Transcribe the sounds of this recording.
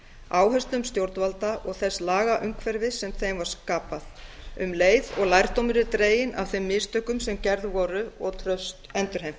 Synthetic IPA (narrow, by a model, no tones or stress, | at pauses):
aːwɦœst̪lʏmst̪jowɾt̪nvalt̪aʔɔɣθɛslaːɣaʔʏŋkʰvɛɾvɪsɛmθejmvaɾ̥skaːpaθʏmleːjðɔɣlajɾ̥t̪owmɪɾɪt̪ɾeːjɪna̰v̥θɪmːɪðst̪œkʏmsɛmcɛɾðvɔːɾʏɔɣt̪ʰɾœst̪ɛnt̪ʏɾ̥hejm